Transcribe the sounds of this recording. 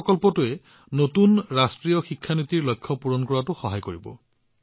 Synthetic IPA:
kɔlpɔtʊɛ | notunɹastɹijɔxikʰːanit̪iɹlɔjkʰːɔpuɹɔnkɔɹatʊxɔɦajkoɹibɔ̰

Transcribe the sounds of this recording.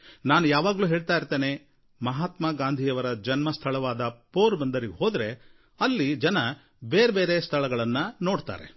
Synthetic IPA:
naːnujaːʋaːɡɐluːɦeːɭt̪aːjiɾt̪eːne̞ | mɐɦaːt̪maːɡaːnd̪ʱijɐʋɐɾɐd͡ʒɐnmɐst̪ʰɐɭɐʋaːd̪ɐpoːɾbɐnd̪ɐɾiɡɦo̞ːd̪ɾe̞ | ɐlːid͡ʒɐnɐ | beːɾebe̞ːɾest̪ʰɐɭɐɡɐɭɐnːɐno̞ːɖt̪a̰ːɾe̞̰

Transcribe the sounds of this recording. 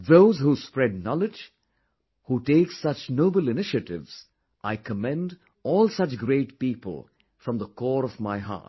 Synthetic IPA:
ðoʊzɦuːspɹɛd̚nɔlɪd͡ʒ | huʈeɪksʌt͡ʃnoʊbəlɪnɪʃɨtɪvz̥ | ʔaɪkʰəmɛ̃nd | ɔːlˠsʌt͡ʃɡɾeɪʈ̚piːpə̰l̩ˠ | fɹʌ̃mðəkɔːɾɔvmaɪɦa̰ːt

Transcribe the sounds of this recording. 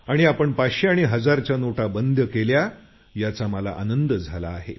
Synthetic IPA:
aɽ̃iapəɳpaɕeaɽ̃iɦəd͡zaɾt͡ɕjanoʈabənd̪ʱjəkelja | jat͡saməla̰ʔanənd̪əd͡zʱalaːɦḛ

